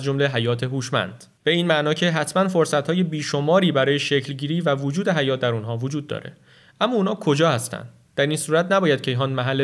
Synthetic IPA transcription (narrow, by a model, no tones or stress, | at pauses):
zd͡ʒomle̞ɦæjɒːt̪ʰe̞ɦuːʃmæ̰nd̪̥ | b̥e̞iːnmæʔnɒːcʰe̞ɦæt̪ʰmænfo̞ɾsæt̪hɒːje̞biːʃo̞mɒːɾiːbæɾɒːje̞ʃecʰlɟiːɾiːvævod͡ʒuːd̪e̞ɦæjɒːt̪̚d̪æɾunɦɒːvod͡ʒuːd̪̚ːɒ̰ːɾe̞̰ | ʔæmːɒːuːnhɒːkʰo̞d͡ʒɒːhæst̪æ̰nd̪̥ | d̪̥æɾiːnsuːɾæt̪ʰnæbɒːjæd̪̚cʰeiɦɒːnd̪mæɦælːe